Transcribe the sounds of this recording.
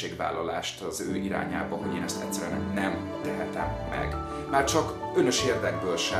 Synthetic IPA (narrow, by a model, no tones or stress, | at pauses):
eːɡʋa̰ːlːɒlaːʃt̪ɒzøːiɾa̰ːɲa̰ːbɒɦo̞ɟeːnɛst̪ɛt̪ʲsːɛɾɛnɛnɛm | t̪ɛɦɛt̪ɛ̰mːɛ̰ɡ | maːrt͡ʃɒkønøʃeːrd̪ɛɡ̚bøːlʃɛ